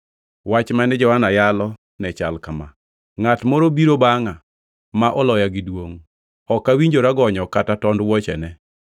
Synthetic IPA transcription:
wat͡ʃmanɛd͡ʒɔhanajalɔ | nɛt͡ʃalkama | ŋatmɔɾobiɾobaŋa | maʔɔlɔjaɡɪdwoŋ | ɔkːawiɲd͡ʒoɾaɡɔɲɔkatatɔndwɔt͡ʃɛ̰nɛ

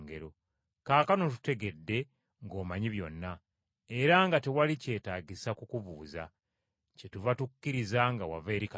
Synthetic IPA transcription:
ŋɡe̞ɾo̞ | kaːkano̞t̬u̥te̞ɡe̞dːe̞ | ŋɡo̞ːmaɲiβjo̞nːa | e̞ɾaŋɡatewalice̞ːtaːɟisakukuvuːza̰ | cetuvatukkːiɾizaŋɡawa̰veːɾika

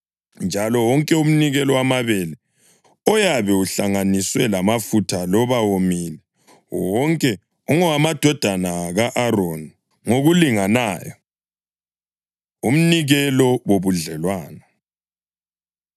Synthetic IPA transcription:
nd͡ʒʱalɔwɔŋkʼɛum̩niɣɛlɔwamaβɛlɛ | ɔjaβɛuɬaŋaniswɛlamafutʰalɔβawomiːlɛ | wɔŋkʼɛ | ɔŋɔamad̥ʱɔd̥ʱanaɣaʔaɾon | ŋoɣuliŋanaːjɔ | um̩niɣɛlɔwoβuɮɛlwaːnɔ

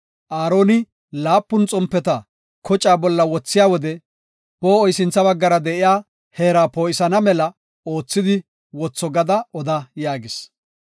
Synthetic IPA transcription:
ʔaːɾo̞ːnɪ | laːpːʊnt͡sʼɔmpːɛt̪ɐ | kɔt͡ʃʼaːbɔlːɐwɔt͡sːɪjaːwɔd̪ɛ | b̥oːɔjsɪnt͡sːɐbɐɡːɐɾɐd̪ɛʔɪjaː | he̞ːɾaːpoːʔɪsɐnɐmɛlɐ | o̞ːt͡sːɪd̪ɪ | wɔt͡sːɔɡɐd̪ɐɔd̪ɐjaːɡɪs

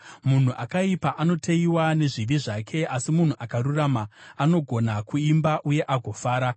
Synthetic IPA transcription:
mun̤uʔakaipaʔano̞tʰeiwane̞ʐiʋiʐakʰe̞asimun̤uʔakaruramaano̞ɡʱo̞nakuimbaʔuje̞ʔaɡʱo̞faːɾa

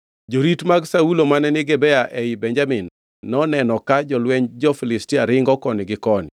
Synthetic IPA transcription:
d͡ʒoɾitmaɡsaulomanɛnɪɡɛbɛaʔɛibɛɲd͡ʒamɪnː | ɔnɛnɔkad͡ʒɔlwɛɲd͡ʒɔfilɪstiaɾɪŋɡɔkɔnɪɡɪkɔnɪ

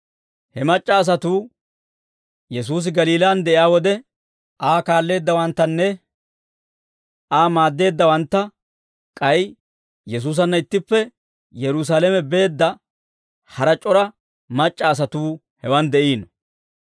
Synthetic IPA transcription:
hɛmɐt͡ʃʼːɐːs̬ɐt̪uː | jɛs̬uːs̬ɪɡɐliːlaːnd̪ɛʔɪaːwɔd̪ɛ | ʔaːkaːlːe̞ːd̪ːɐwɐnt̪ːɐnːɛ | ʔaːmaːd̪ːe̞ːd̪ːɐwɐnt̪ːɐ | kʼɐj | jɛs̬uːs̬ɐnːɐɪt̪ːɪpːɛ | jɛɾʊs̬aːlɛmɛbe̞ːd̪ːɐ | hɐɾɐt͡ʃʼɔɾɐ | mɐt͡ʃʼːɐːs̬ɐt̪uː | hɛwɐnd̪ɛʔiːnɔ

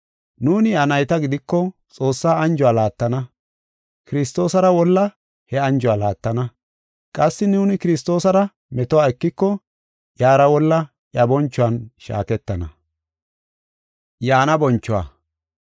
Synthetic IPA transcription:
nuːnɪɐnɐjt̪ɐɡɪd̪ɪkːɔt͡sʼo̞ːsːaːɐnd͡ʒʊwaːlaːt̪ːɐnɐ | kɪɾɪst̪o̞ːsɐɾɐwɔlːɐ | hɛɐnd͡ʒʊwaːlaːt̪ːɐnɐ | kʼɐsːɪnuːnɪkɪɾɪst̪o̞ːsɐɾɐ | mɛt̪ɔwaːɛkːɪkːɔ | jaːɾɐwɔlːɐ | ʔjɐbɔnt͡ʃːʊwɐnʃa̰ːkɛt̪ːɐnɐ̰ | jaːnɐbɔnt͡ʃːʊwa̰ː

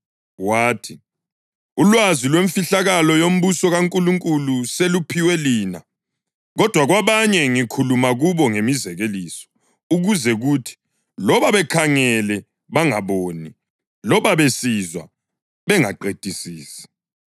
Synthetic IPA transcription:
waːtʰi | ulwazilweɱfiɬaɣalɔjom̩busɔɣaŋkʼuluŋkʼuluselupʰiwɛliːna | ɣɔd̥ʱwaɣwaβaɲɛŋikʰulumaɣuβɔŋemizɛɣelisɔ̥ | uɣuzɛɣuːtʰi̥ | lɔβaβɛkʰaŋɛlɛ | βaŋaβoːni | lɔβaβesizwa̰ | βɛŋaǃed̥ʱisiːsi̥

